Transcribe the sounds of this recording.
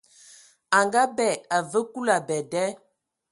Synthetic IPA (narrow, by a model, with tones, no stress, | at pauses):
a˨ŋɡa˦bɛ˦˨ta˨və˦ku˦la˨bɛ˨dɛ˦